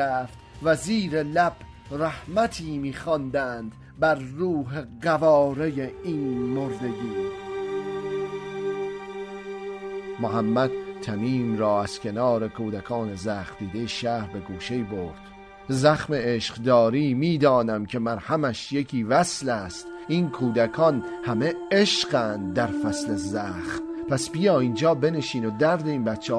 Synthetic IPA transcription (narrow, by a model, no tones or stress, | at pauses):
æːft̪væziːɾe̞læb̥ | ɾæhmæt̪ʰiːmiːxɒːnd̪æːnd̪ | bæɾːuːɦe̞ɢævɒːɾejeiːnmoɾd̪e̞d̪uːɾ | moɦæmːæd̪̚t̪ʰːæmiːmɾɒːæz̥kʰʲe̞nɒːɾe̞kʰuːd̪ækʰɒːne̞zæːχt̪̚d̪iːd̪e̞jeʃæːɾbe̞ɡuːʃe̞jboɾd̪̥ | zæχmeeʃqd̪ɒːɾiːmiːd̪ɒːnæmcʲʰe̞mæɾhæmæʃje̞kʰiːvæslæst̪iːnkʰuːd̪ækʰɒnhæme̞eʃɢænd̪̚dːæɾfæslezæːχt̪pʰæsbijɒːiːnd͡ʒɒːbe̞ne̞ʃiːnod̪æɾd̪e̞iːnbæt̪t͡ʃʰːe